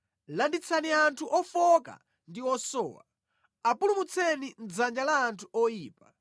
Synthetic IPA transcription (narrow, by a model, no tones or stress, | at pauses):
landit͡sʰaniantʰuʔɔfɔka̰ | ndiɔsɔ̰ːwa̰ | apulumut͡sʰɛnind͡zand͡ʒalaːntʰuʔɔjiːpa